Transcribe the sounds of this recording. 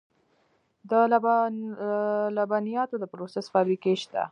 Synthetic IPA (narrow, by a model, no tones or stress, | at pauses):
d̪əl | labɑnijɑt̪od̪əpɾosesfɑbɾikeʃt̪a̰